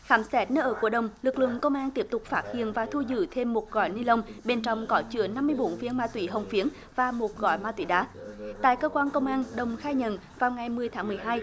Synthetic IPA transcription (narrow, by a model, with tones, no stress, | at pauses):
xaː˨˦msɛ˦˥t̚nəː˧ʔəː˧˩ku˧˩əɗə˨˩wŋ͡mlɨ˨˩k̚lɨ̰˧˨əŋkə˧wŋ͡mʔaː˧nt̪i˦˥əp̚t̪ʊ˨˩k͡p̚faː˦˥t̚hḭ˧˨ənvaː˨˩t̪ʰu˧zɨ̰˧˩t̪ʰe˧mːo˨˩t̚ɣɔ̰˧˨jni˧lə˧wŋ͡mɓe˨˩nt͡ɕɔ̰˧˨wŋ͡mkɔ˨˦t͡ɕɨ̰˧˥əna˧mːɨ˧əjɓo˨˦nvi˧ənmaː˧t̪wḭ˧˦ɦə˨˩wŋ͡mfi˨˦ən | vaː˨˩mo˨˩t̚ɣɔ̰˧˨jmaː˧t̪wi˧˦ɗaː˨˦t̪a̰ː˧˨jkəː˧kwaː˧nkə˧wŋ͡mʔaː˧nɗə˨˩wŋ͡mxaː˧jɲə̰˧˨nvaː˨˩wŋa˨˩jmɨ˨˩əjt̪ʰaː˨˦ŋmɨ˨˩əjɦaː˧j